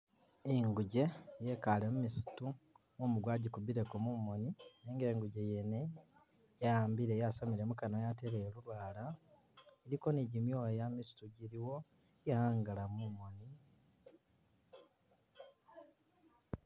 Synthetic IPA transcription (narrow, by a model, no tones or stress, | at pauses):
eŋɡuɟe̞je̞kalemumisi̥tu | momuɡwaːɟikubiɾe̞komumo̞nineːŋɡe̞ːŋɡuɟe̞jene̞ | jajaːmbiɾejasomiɾe̞mukanojateɾelulwaːla | eɾiko̞niɟimjojamisi̥tuɟiɾiwo̞ | jahaːŋɡalamumo̞ni